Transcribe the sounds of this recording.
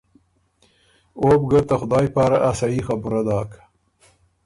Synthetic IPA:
oːb̚ɡat̪axʊd̪ɑːjpɑːɾaʔasajixɐbʊɾad̪ɑːk

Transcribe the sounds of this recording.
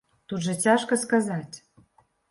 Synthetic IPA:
t̪ud̪ʒɤ̆t͡sʲɑʃkɤ̆skɑzɑtʲ

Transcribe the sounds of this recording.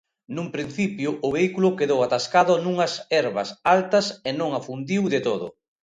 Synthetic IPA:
numpɾin̟θipjʊʔʊβeikulʊkeðowat̪askaðʊnuŋɐsɛɾβɐ̰salt̪ɐsenõŋafund̪iwðɪt̪oðʊ̰

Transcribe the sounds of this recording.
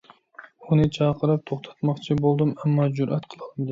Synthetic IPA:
unɨt͡ʃʰɑːqʰəɾɨp̚t̪ʰoχt̪ʰɑ̥t̪mɑqt͡ʃʰibolˠd̪ɨmɛmːɑd͡ʒuɾʔæt̪qʰəlˠɨlˠnd̪ɪ

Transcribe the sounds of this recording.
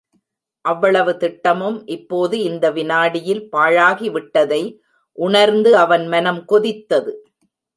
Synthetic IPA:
ʔɐʋːɐɭɐʋɯt̪ɪʈːɐmɯmʔɪpːoːðɯɪnd̪ɐʋɪnaːɽɪjɪlpaːɻaːɣiʋɪʈːɐðɐɪ | ʔʊɳɐɾnd̪ɯɐʋɐnmɐnɐmkɔðɪt̪ːɐðɯ

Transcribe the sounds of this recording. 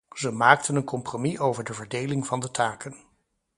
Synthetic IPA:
zəmaːk̚tənənkɔmpromiʔowvəɹdəvəɹdejlɪŋv̥ɑndətʰaːkən

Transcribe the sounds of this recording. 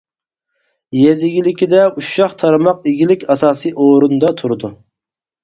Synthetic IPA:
jezɪɡʲilɪkʲid̪ɛuʃɑχt̪ʰɑɾmɑqeɡʲilɪkʲɑsɑːsɨjʔoɾund̪ɑt̪ʰuɾɨd̪u

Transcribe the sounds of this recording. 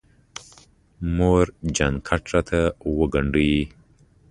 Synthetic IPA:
moɾd͡ʒankʰaʈɾat̪ʰawəɡɐɳɖuji

